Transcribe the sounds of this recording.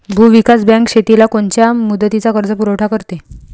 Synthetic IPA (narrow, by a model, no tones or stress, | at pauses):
bʱuʋikasbãŋkɕet̪ilakoɳt͡ɕjamud̪ːət̪it͡sakəɾd͡zəpuɾəwʈʰakəɾt̪e